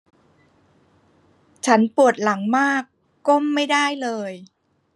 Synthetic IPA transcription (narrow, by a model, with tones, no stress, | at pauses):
t͡ɕʰa˦˥npu˨˩ət̪̚la˩˦ŋmaː˥˩kː | o˥˩mːa˥˩jda˥˩jlɤː˧j